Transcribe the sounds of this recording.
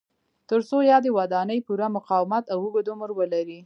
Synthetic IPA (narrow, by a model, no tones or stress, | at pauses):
t̪əɾsojɑd̪ewad̪ɑnəjpuɾamʊqɑwɪmat̪awəɡod̪oməɾwəlaɾi